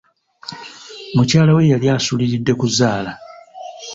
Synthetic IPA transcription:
mucaːlawe̞jaljaːsuliɾidːe̞kuzaːla

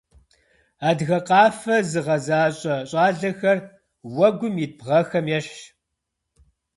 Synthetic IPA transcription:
aːdɣɐqɑːfɐzɨʁɐzaːɕʼɐɕʼɑːɮɐxɐr | wɐɡʷʊmibʁɐxɐmjɛɕ

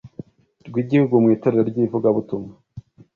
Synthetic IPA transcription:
ɾɡwiːɟihuɡumŋiːtoɾeɾeɾɟivuɡaβutuma

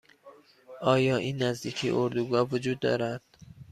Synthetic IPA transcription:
ʔɒːjɒːʔiːnːæzd̪iːcʰiʔoɾd̪uɡɒːvod͡ʒuːd̪ːɒ̰ːɾæd̪̥

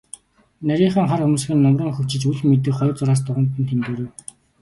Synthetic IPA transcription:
næɾʲiːɴχə̆ːŋχarxumuːs̆xɘ̆nːɔmrə̆ːŋxɵw̥t͡ɕɪ̆t͡ɕuɮmet̪̬ɘ̆kχɔj̆rt͡sʊɾaːs̬t̪ʊʁə̆nt̪ːɘ̆nt̪ʰemt̪eːɾeːw

